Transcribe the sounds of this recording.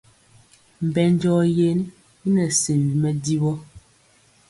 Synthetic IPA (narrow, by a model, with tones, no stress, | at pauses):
m̩˨bɛ˨n˦d͡ʒɔː˦je˨ni˦ | i˦nɛ˨se˨mvi˨mɛ˦di˦bɔ˦